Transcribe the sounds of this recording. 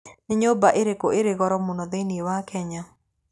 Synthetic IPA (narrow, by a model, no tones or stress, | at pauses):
nɪɲobaʔeɾekoeɾeɣɔɾɔmʊnɔðeniewakɛɲa